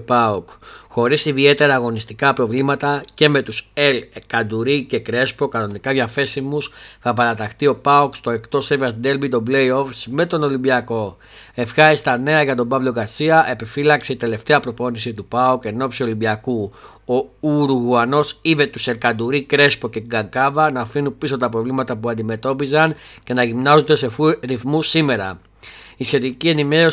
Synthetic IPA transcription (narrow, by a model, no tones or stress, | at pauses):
pɐokxo̞ɾisiðie̞t̪e̞ɾɐːɣo̞nist̪ikɐpɾo̞vlimɐt̪ɐce̞me̞t̪uselkɐd̪uɾice̞kɾe̞spo̞kɐno̞nikɐvʝɐfe̞simusθɐpɐɾɐt̪ɐxt̪io̞pɐokst̪o̞e̞kt̪o̞sevɐsd̪e̞lbit̪o̞ble̞io̞fsme̞t̪o̞no̞limbiɐko̞ | e̞fxɐɾist̪ɐne̞ɐʝɐt̪o̞bɐvlo̞ɡɐsiɐʔe̞pifilɐkseit̪e̞le̞ft̪e̞ɐpɾo̞po̞nisit̪upaoke̞no̞psio̞limbiɐku | o̞uɾuɣuɐno̞sive̞t̪use̞ɾkɐd̪uɾikɾe̞spo̞ce̞ɡɐŋkɐvɐnɐfinupiso̞t̪ɐpɾo̞vlimɐt̪ɐpuɐnd̪ime̞t̪o̞pizɐnce̞nɐʝimnɐzond̪e̞sefuɾiθmusime̞ɾɐ̰ | isçe̞t̪icie̞nime̞ɾo̞